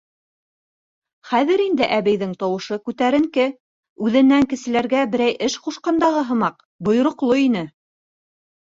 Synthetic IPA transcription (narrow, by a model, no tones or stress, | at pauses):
χæðɘɾind̪ɘʔæβɘ̆jðɘŋt̪owɤ̆ʃɤkʉt̪æɾɘ̆ŋkɘ | ʉðɘ̆nːæŋkɘ̆sɘ̆læɾɡæbɘ̆ɾæjʔɘʃquʃqɑnd̪ɑʁɤɦɤ̆mɑq | bŏj̆ɾŏqlˠoinɘ